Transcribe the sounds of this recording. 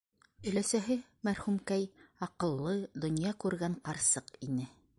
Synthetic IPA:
ɵ̆læsæɦɘ | mæɾhʉmkæjɑqɤ̆lˠːɤd̪ŏnjɑkʉɾɡæɴqɑɾsɤqinɘ

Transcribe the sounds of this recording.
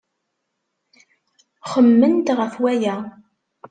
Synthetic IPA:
χəmːənt̪ʁəfwæjæ

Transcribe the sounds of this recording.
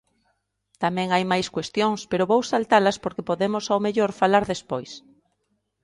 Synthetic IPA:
t̪amɛ̃ŋajmajskwest̪joŋspeɾʊβowsalt̪alɐspoɾkepoðemʊsawmeʎoɾfalaɾðespojs

